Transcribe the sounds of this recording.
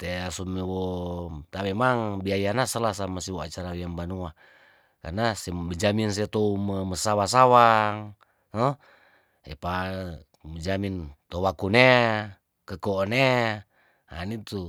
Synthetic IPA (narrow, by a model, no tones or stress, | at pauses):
t̪easumewɔt̪amemaŋbiajanasəlahsamasiwoat͡ʃaɾawiaŋbanua | karnasebəd͡ʒamins̬ɛt̪ouməməsawas̬awaŋ | nɔ | ḛpa | məd͡ʒamint̪owakune | kəkoːne | a̰nit̪u